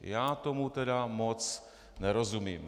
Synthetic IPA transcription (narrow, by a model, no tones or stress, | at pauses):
jaːt̪ɔmut̪ɛd̪amɔt͡s | nɛɾɔzumiːm